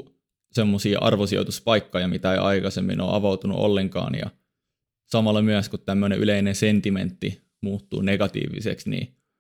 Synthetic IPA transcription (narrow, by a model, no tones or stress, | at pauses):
semːosiːʔɑ̰rʋosio̰t̪uspɑikːojɑmit̪æḛʔɑikɑsemːḭno̰ːʔɑ̰ʋɑut̪unṵʔo̰lːeŋkɑ̰ːnjɑ̰ | sɑmɑlːɑmyæskut̪t̪æmːøneʔyleinensent̪iment̪ːi | muːt̪ːṵːneɡɑt̪ḭːʋḭsḛksnḭː